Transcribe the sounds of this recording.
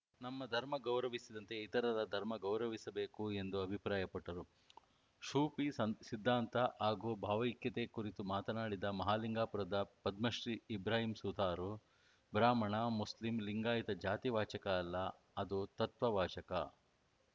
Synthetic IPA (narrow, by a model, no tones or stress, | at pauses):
nɐmːɐd̪ʱɐɾmɐɡɐwɾɐʋisid̪ɐnt̪e̞it̪ɐɾɐɾɐd̪ʱɐɾmɐɡɐwɾɐʋisɐbe̞ːkue̞nd̪uɐbʱipɾaːjɐpɐʈːɐɾu | ʃuːpisid̪ʱːaːnt̪ɐʔaːɡoːbʱaːʋɐikjɐt̪ekuɾit̪umaːt̪ɐnaːɽid̪ɐmɐɦaːliŋɡaːpuɾɐd̪ɐpɐd̪mɐʃɾiːbɾaːɦimsud̪aːɾu | bɾaːmɐɳɐmuslimliŋɡaːjit̪ɐd͡ʒaːt̪iʋaːt͡ʃɐkɐːlːɐ | ɐd̪ut̪ɐt̪ʋɐʋaːt͡ʃɐkɐ̰